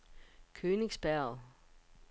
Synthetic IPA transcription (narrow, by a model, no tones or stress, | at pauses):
kʰøːne̝ŋsb̥æɐ̰